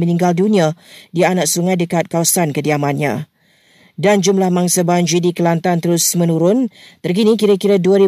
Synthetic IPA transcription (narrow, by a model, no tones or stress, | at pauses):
mənĩŋɡaldunĩadianak̚suŋãjdəkat̪̚kawasankədiamãnɲã̰ | dand͡ʒumlahmaŋsəband͡ʒidikəlant̪ant̪əɾʊsmə̃nuɾʊnt̪ərk̬inĩkiɾəkiɾaduəɾi